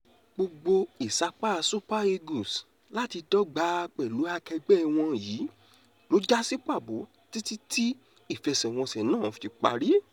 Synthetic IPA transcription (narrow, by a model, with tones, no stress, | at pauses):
ɡ͡bo˧ɡ͡bo˧i˨sa˧k͡pa˦˧su˦pa˦e˧ɡu˨s | la˦ti˧tɔ˦ɡ͡ba˨˦˧k͡pɛ˨lu˨˦a˧kɛ˧ɡ͡bɛ˦˧w̃ɔ̃˧jiː˨˦ | lo˨˦d͡ʒa˦si˦k͡pa˦˨bo˨˦ | ti˦ti˦ti˦ | i˦˨fɛ˧sɛ˨w̃ɔ̃˧sɛ˨nãː˦˨fti˧k͡pa̰˧ɾi˦